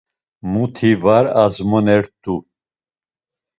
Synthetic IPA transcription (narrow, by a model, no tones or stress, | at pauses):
mut̪ʰivaɾazmɔnɛɾt̪ʼu